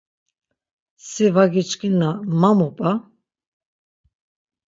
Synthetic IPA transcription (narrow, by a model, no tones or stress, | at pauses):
sɛvaɡit͡ʃkʼinamamɔpʼa